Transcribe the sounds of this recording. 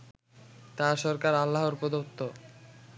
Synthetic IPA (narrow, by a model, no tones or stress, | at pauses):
t̪aʃɔɾkaɾalːaɦoɾpod̪ot̪ːo